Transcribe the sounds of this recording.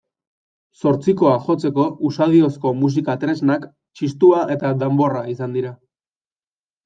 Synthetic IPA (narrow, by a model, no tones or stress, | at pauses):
so̞ɾt͡siko̞aʝo̞t͡se̞ko̞ʔusað̞io̞sko̞mus̬ikat̪ɾe̞znak | t͡ʃist̪uaʔe̞t̪ad̪embo̞raisand̪iɾa